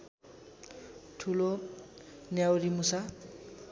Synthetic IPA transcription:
ʈʰulo | njawɾimusa

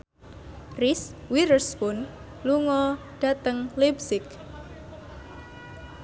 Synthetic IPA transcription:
riswiɾəspʊn | luŋɔ | ɖ̥ä̤t̪əŋlibsɪk̚

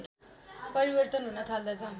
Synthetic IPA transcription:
pʌɾibʌrt̪ʌnɦunʌt̪ʰald̪ʌt͡sʰʌ

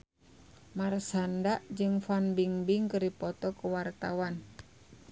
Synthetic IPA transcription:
marsandaʔd͡ʒɨŋfanbiŋbiŋkəɾipɔt̪ɔkəwart̪a̰wan

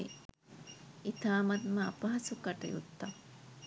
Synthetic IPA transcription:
ḭ | it̪aːmɐt̪mɐa̰pɐɦɐsukaʈə̰jṵt̪ːa

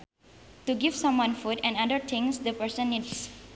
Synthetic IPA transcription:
tuɡivsʌ̃mwʌ̃nfutɛ̃nãdəɾt̪ʰɪ̃ŋsd̪əpəɹsə̃nːids

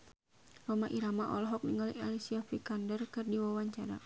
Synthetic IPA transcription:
rɔmaʔiɾamaʔɔ̰lɔɦɔk̚niŋɡaliʔalisiafikandərkɨrdiwawaɲt͡ʃaɾa̰

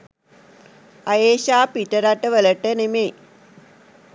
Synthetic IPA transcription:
ɐjeːɕaːpiʈəɾaʈːəʋələʈənemeː

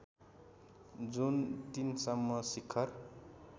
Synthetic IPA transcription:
d͡zunt̪insʌmːʌsikʰːʌr

